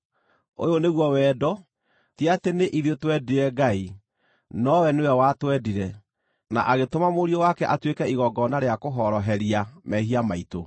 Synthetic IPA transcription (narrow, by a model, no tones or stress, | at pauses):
o̰joneɣwɔwɛːdɔ | tiateneʔiðjotwɛdiɾɛɡai | nɔwɛnewɛwatwɛdiɾɛ | na̰ʔaɣetomamoɾiɔwakɛʔatwekɛiɣɔɡɔnaɾeakoɦɔɾɔɦɛɾiamɛɦiamaito